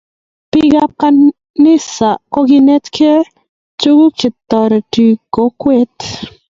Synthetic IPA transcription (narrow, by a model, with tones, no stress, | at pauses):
pɪ˦ɡa˦ka˦ | nɪ˦sa˨kɔ˦ɡɪ˦ne˦t̪kʰe˦ | t͡ʃu˦ɡu˦t͡ʃɪ˨t̪ːɔ˨ɾe˨ti˨ko˨˦kwe˦t̪